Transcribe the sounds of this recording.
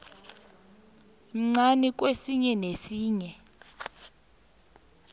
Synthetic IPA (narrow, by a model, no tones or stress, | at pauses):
m̩ŋ͡ǀanik̬ʼwesiɲɛnesiːɲɛ